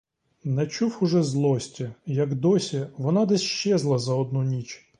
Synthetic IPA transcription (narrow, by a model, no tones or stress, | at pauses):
nɛt͡ʃuwʊʒɛzlˠɔsʲtʲijɐɡd̪ɔsʲiʋɔnɑd̪ɛsʲʃt͡ʃɛzlˠɐzɐɔd̪nunʲit͡ʃ